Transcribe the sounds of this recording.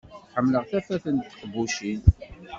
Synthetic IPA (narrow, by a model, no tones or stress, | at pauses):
ħəmːləʁθæfæθənt̪qbuʃin